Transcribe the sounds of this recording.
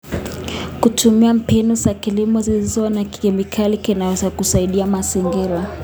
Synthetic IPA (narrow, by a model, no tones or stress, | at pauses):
kutʰumiam̩pɛnusakilimɔzilizanaki̥ɛmikʰalikinawɛzakusaiɗiamaziŋɡiɾa